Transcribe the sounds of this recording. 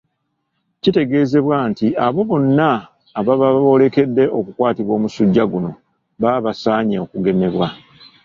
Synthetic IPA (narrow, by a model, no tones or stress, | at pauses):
cite̞ɡe̞ːze̞βwantiʔaβo̞βo̞nːaː | βaβao̞le̞ke̞dːe̞ʔo̞kukwaːtiβwo̞ːmusuɟːaɡuno̞ | βaβasaːɲeokuɡe̞me̞βwa